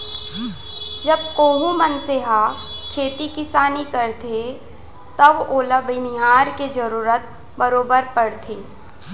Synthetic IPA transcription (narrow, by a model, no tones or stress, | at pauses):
d͡ʒɐb̚koːɦũmənseɦakʰeːt̪ikɪsaːnikəɾt̪ʰe | t̪əboːləbʱinɪɦaːɾked͡ʒəɾuːɾət̪ | bəɾoːbəɾpəɽt̪ʰeː